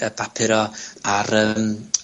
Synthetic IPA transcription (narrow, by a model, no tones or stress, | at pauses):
əbapʰɪɾɔaɾəm